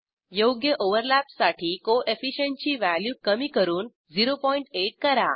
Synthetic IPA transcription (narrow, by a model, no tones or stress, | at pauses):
joɡjəʔoʋəɾlæpsaʈʰikoʔefiʃeɳʈt͡ɕiʋæljukəmikəɾuːn | ziɾopɔiɳʈeʈ̚kəɾa